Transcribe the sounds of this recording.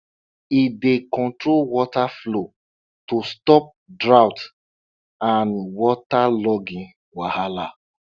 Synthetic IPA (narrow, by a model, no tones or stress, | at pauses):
idekɔ̃ntɹolwɔtaflo | tostɔp̚dɹawt | ãnwɔtalɔɡĩ | wahala